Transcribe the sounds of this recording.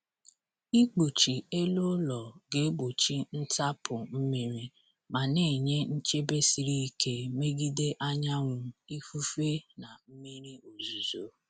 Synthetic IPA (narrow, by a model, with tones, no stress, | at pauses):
i˦k͡pu˨t͡ʃi˨e˦lo˦lɔ˨ɡe˨˦ɡ͡bo˨t͡ʃi˦n̩˦ta˦pʰʊ˨m̩˦mi˨ɾi˦ | ma˨ne˦˨ɲe˦n̩˦t͡ʃe˦be˦si˨ɾi˦i˦ke˦me˦ɡi˦de˦ʔa˦ɲa˦ŋʷʊ˨i˦fu˦fe˦na˨m̩˦mi˦ɾi˦o˨zu˨zo˨